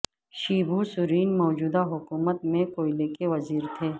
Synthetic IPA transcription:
ʃiːbʱusʊɾiːnmɔːd͡ʒuːd̪aɦʊkuːmət̪̚mẽkoːjleːkeʋɐziːɾt̪ʰeː

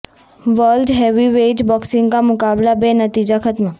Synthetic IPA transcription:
ʋəlɖɦeʋiʋeːʈbɔːksɪ̃ŋɡkamʊkaːblabenət̪iːd͡ʒakʰət̪mə

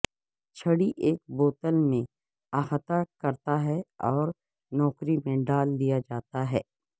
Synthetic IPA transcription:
t͡ʃʰəɽiʔeːk̚boːt̪əlmẽ | aːxət̪akɐɾt̪aɦɛɔːɾ | nɔːkɾimẽɖaːld̪ijad͡ʒaːt̪aɦɛː

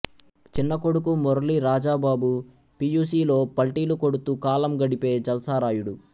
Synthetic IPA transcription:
t͡ʃinːɐko̞ɽuk̬umɔɾɐliɾaːd͡ʒaːbaːbu | pijuːsiːlo̞ːpɐlʈiːluko̞ɽut̪ukaːlɐmɡɐɽipe̞ːd͡ʒɐlɐsaːɾaːjuɽu

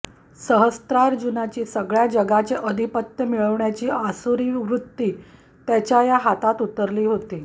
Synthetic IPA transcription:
səɦəst̪ɾaɾd͡ʑunat͡ɕiːsəɡɭjad͡ʑəɡat͡ɕeʔəd̪ʱipət̪jəmiɭəʋɳjat͡ɕiːasuɾiʋɾut̪ːiː | t̪jat͡ɕjajaɦat̪at̪ut̪əɾliːɦot̪iː

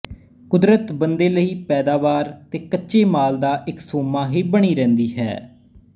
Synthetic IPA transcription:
kʊd̪ɾət̪bənd̪eːləiːpɛːd̪aːʋaːɾt̪eːkətːʃeːmaːld̪aːʔɪksoːmaːɦiːbəɳiːɾɛ̃ːnd̪iːɦɛ̰ː

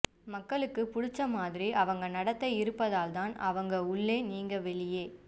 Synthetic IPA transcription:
mɐkːɐɭɯkːɯpʊɽɪt͡ʃːɐmaːðɪɾiʔɐʋɐŋɡɐnɐɽɐt̪ːɐɪɪɾɯpːɐðaːlt̪aːnɐʋɐŋɡɐʊɭːeːniːŋɡɐʋɛɭɪjeː

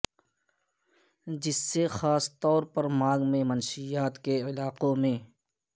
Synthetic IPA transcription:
d͡ʒɪsːexaːst̪ɔːɾpɐɾmaːɡmẽmənʃijaːt̪keɪlaːqõmẽː

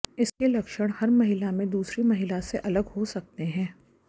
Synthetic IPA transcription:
ɪskelɐkʃəɽ̃hɐɾmɐɦɪlamẽd̪uːsɾimɐɦɪlaseʔɐləɡɦosɐk̚t̪eɦɛ̃ː

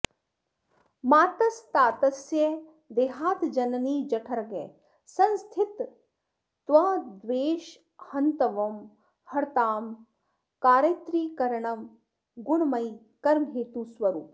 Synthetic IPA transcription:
maːt̪ɐst̪aːt̪ɐsjɐ | d̪eːɦaːt̪d͡ʒɐnniːd͡ʒɐʈʰɐɾɐɡḛ | sɐ̃nst̪ʰit̪ː | ʋɐd̪ʋeːʃ | hɐnt̪ɐʋɐm | hɐɾt̪aːm | kaːɾɐt̪ɾiːkɐɾɐɳɐm | ɡuɳmɐj | kɐɾmɦeːt̪usʋɐɾuːp

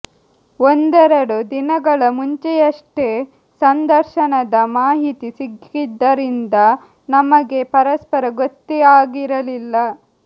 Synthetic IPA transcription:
ond̪ɛɾɐɽud̪inɐɡɐɭɐmuɲt͡ʃejɐʂʈe̞ | sɐnd̪ɐɾʃɐnɐd̪ɐmaːɦit̪isiɡid̪ːɐɾind̪ɐ | nɐmɐɡe̞pɐɾɐspɐɾɐɡot̪ːiaːɡiɾɐlilːɐ

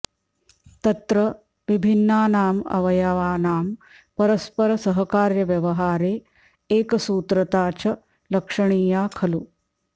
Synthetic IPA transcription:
t̪ɐt̪ɾɐ | ʋibʱinːaːnaːmɐ̰ʋɐjaʋaːnaːm | pɐɾɐspɐɾɐsɐɦɐkaːɾjɐʋjɐʋɐɦaːɾeː | eːkɐsuːt̪ɾɐt̪aːt͡ʃɐ | lɐkʂɐɳiːjaːkʰɐlu

